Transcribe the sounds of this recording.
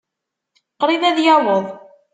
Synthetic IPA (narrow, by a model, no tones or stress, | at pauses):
qɾˤiðæðjawəðˤ